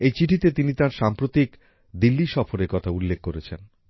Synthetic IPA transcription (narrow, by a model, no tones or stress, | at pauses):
ejt͡ɕiʈʰit̪et̪init̪aɾʃampɾot̪ik | d̪ilːiʃɔfoɾeɾkɔt̪ʰaulːekʰːoɾet͡ɕʰen